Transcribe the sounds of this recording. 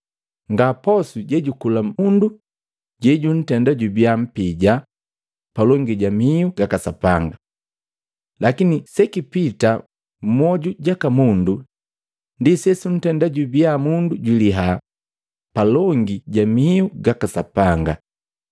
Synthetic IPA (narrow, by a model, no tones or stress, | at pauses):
ŋɡapɔsuɟɛɟukulamundu | ɟɛɟun̩tɛndaɟubiam̩piɟa | palɔŋɡiɟamiuɡakasapaŋɡa | lakinisɛkipita | m̩mɔɟuɟakamundu | ndisɛsun̩tɛndaɟubjamunduɟiliɦa | palɔŋɡiɟamiuɡakasapaŋɡa